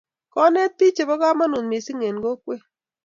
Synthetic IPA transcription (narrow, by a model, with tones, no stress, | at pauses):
kɔ˦nɛ˦t̪̚pi˦t͡ʃe˨bɔ˦ɡa˦ma˦nu˨nmɪ˨si˦ŋe˨nɡo˦kwe˦